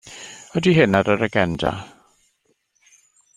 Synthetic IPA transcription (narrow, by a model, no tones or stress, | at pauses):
ɔdiɦɪnadəɾəɡɛnda̰